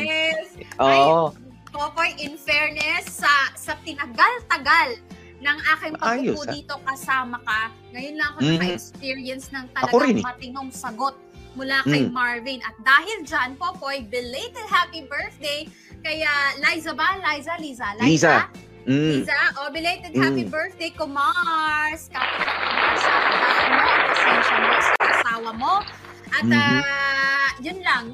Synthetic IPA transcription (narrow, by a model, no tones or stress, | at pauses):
ɛsʔo | popojʔɪnfɛɹnɛsːɐsɐt̪ɪnɐɡalt̪ɐɡal | nɐŋʔaːkɪŋpɐapud̪iːt̪o̞kɐsaːmɐkɐ | ŋɐjʊnlɐŋɐkoɐŋmɐɛkspiɹiɐnsnɐŋt̪ɐɐlɐɡoɾinmɐt̪ɪnoŋsɐɡo̞t̪̚mʊlakɐjmaɹvɪnʔɐt̪̚d̪aːɦɪld͡ʒanpo̞pojbɪlet̪ɐhapibɛɹθd̪ej | kɐjaʔlajzɐbɐlajzɐliːsɐlalisa | isɐʔobɪlejt̪ɛd̪hhapibɛɹθd̪ejkomaɹskɐmɐʔsawɐhaʔɐnmoʔɐpɐsɛnʃɐnmoskkɐʔɐsaːwɐmo̞ | ʔɐt̪a | jʊnlɐŋ